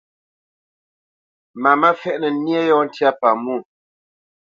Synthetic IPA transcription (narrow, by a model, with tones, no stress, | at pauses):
ma˨mə˦fɛ˦˨ʔnə˨˦nje˦jɔ˦n̩˦tja˦pa˨mu˦˨